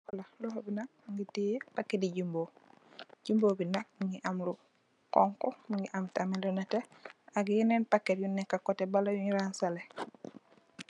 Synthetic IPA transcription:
walalɔhobinak̚ŋɡitijepakːetiɟimbo | ɟimboːbinak̚miŋɡiʔamlu | kɔŋkɔmiŋɡiʔamtamilonateaɡjinenpakːetjunːɛkakotebalajuɲɾaːnsale

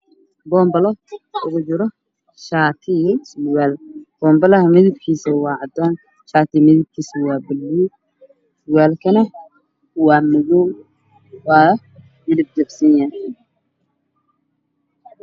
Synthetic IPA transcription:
bɔːmbɐlɔʊɣʊt͡ʃɪɾɔ | ʃaːt̪ʰɪswaːlb̥ɔːmbɐlɐhɐmɪðɪb̚kʰiːsɐwɑːʕɑd̪aːn | ʃaːt̪ʰɪmɪðɪb̚kʰiːsɪwɑːbɪlːuː | sʊwaːlkʰɐnɐ | wɑːmɐɣɔw | wɑː | mɪðɪb̚d͡ʒɐbsɪnjaː

